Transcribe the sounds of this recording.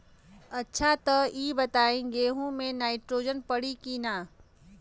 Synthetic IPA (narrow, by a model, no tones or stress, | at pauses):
ɐtːʃʰat̪ɐiːbɐt̪aːẽɡeːɦõmẽnaːɪʈɾoːd͡ʒənpɐɽikinaː